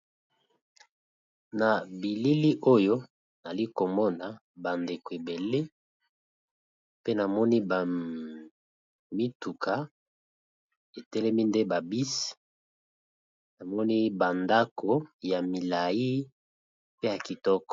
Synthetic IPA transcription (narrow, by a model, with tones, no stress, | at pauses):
na˨bi˨li˦li˦ʔo˦jo˦ | na˨li˦ko˨mɔ˦na˨ | ba˨nde˨ko˨e˨be˨le˦ | pe˦na˨mɔ˦ni˦ba˨ | mi˦tu˨ka˨ | e˨tɛ˦lɛ˦mi˦nde˦ba˨bi˦si̥˨ | na˨mɔ˦ni˦ba˨nda˦kʰo˨ja˨mi˨la˨ji˦ | pe˦ja˨ki˨tɔ˦kɔ̥˨